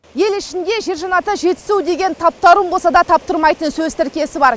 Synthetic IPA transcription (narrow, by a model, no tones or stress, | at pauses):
je̞lɪʃɪnd̪e̞ʒe̞ɾʒɑnɑt̪əʒe̞t̪ɪ̥suwd̪e̞ɡʲe̞nt̪ʰɑp̚t̪ɑɾuəmbolˠsɑd̪ɑt̪ʰɑp̚t̪əɾmɑjt̪ənsɵzt̪ʰɪɾkʲe̞sɪbɑɾ